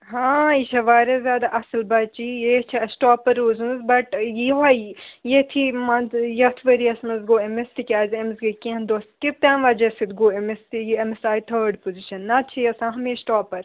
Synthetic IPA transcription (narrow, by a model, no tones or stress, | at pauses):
ɦãːiʃɐʋaːɾɐzʲjaːd̪aʔɐsɐlbɐt͡ʃijet͡ʃʰiɐsʈɔːpːɐɾːoːzunzbɐʈjiɦaːjjet̪ʰimanjɐt̪ʰʋɐɾiɐsmɐzɡoːemest̪ikʲaːzɐmzɡekĩnd̪oːst̪kit̪aːnʋaːd͡ʒɐsid̪ɡoːemest̪ijiemesaːjt̪ʰɐʋɖpoziʃɐnːɐt͡ʃʰijɐsãːɦɐmẽːsʈoːpɐɾ